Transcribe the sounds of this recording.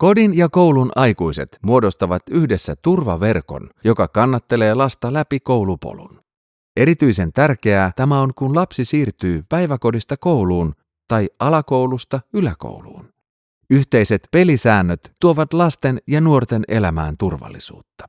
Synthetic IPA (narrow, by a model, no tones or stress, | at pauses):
ko̞dinjɑko̞wlunʔɑjkujse̞̰t̪muo̞do̞st̪ɑʋɑt̪yçde̞sːæ̰t̪urʋɑ̰ʋe̞rko̞̰njo̞kɑkɑnːɑt̪ːe̞le̞ːlɑst̪ɑlæpiko̞wlupo̰lṵn | ʔe̞ɾit̪yjse̞nt̪ærk̟e̞æt̪æmæo̞ŋkunlɑpsisiːrt̪yːpæjʋæko̞dist̪ɑko̞wluːn | t̪ɑjɑlɑko̞wlust̪ɑylæko̞̰wlṵːn | yçt̪e̞jse̞t̪pe̞lisæːnːøt̪ːuo̞ʋɑt̪lɑst̪e̞njɑnuo̞rt̪e̞nʔe̞̰læmæ̰ːnt̪urʋɑ̰lːisṵːt̪ːɑ̥